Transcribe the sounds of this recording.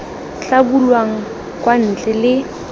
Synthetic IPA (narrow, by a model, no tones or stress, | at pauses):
ɬabulwaŋ̩ | kwan̩t͡ɬʼɛlɪ